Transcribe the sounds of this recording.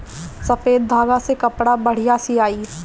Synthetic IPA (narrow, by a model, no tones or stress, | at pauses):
sɐfeːd̪̚bʱaːɡasekɐpɽabɐɽ̤ijasiaːiː